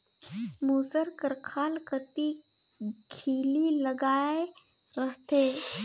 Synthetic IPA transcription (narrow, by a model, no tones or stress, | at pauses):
muːsəɾkəɾkʰaːlkət̪i | kʰiːliləɡaːe | ɾəɦt̪eː